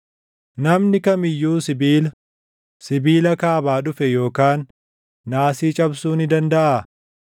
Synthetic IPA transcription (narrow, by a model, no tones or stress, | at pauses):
nɐmnɪkɐmɪjːuːsɪbiːlɐ | sɪbiːlɐkaːbaːᶑʊfɛjo̞ːkaːnː | aːsiːt͡ʃʼɐbsuːnɪd̪ɐnd̪ɐʔaː